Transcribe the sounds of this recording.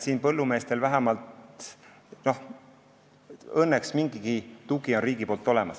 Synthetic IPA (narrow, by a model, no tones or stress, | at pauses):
siːnpɤlːume̞ːst̪e̞lvæɦæmɑlt̪ | no̞h | ɤnːeksmiŋɡiɡ̥it̪uɡio̞nriːɡ̥ipo̞ːlt̪ːˑo̞lɛmɑs